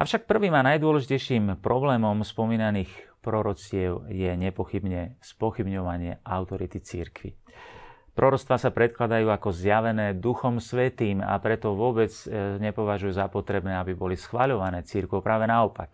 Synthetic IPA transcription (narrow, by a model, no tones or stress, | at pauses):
ʔa̰fʃak̚pr̩ʋiːmanajd̪ʊɔlɛʒicɛjʃiːmpɾɔblɛːmɔmspɔmiːnaniːxpɾɔɾɔt͡sɪɛʊjɛɲɛpɔxibɲɛspɔxibɲɔʋaɲɪɛaʊt̪ɔɾit̪it͡siɾkʋḭ | pɾɔɾɔt͡st̪ʋaːsapɾɛt̪̚klad̪ajuːakɔzjaʋɛnɛːd̪uxɔmsʋɛt̪iːma̰pɾɛt̪ɔʋʊɔbɛd͡zɲɛpɔʋaʒujuːzapɔt̪ɾɛbnɛːabibɔlisxʋaʎɔʋanɛːt͡siɾkɔʊpɾaːʋɛnaɔpa̰k̚